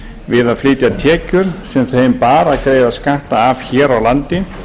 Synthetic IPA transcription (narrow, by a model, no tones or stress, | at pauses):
vɪðaðflɪːt̪jat̪ʰɛːcʏɾ̥sɛmθejmpaːɾaðkɾejðaskaht̪aːvçɛːɾawlant̪ɪ